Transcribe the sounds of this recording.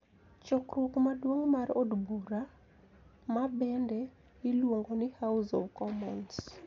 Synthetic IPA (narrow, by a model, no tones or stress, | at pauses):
t͡ʃɔkrʊkmadwoŋmarodbuɾa | mabɛndɛ | ɪlwoŋɡonɪhaʊsɔ̰vkɔmɔns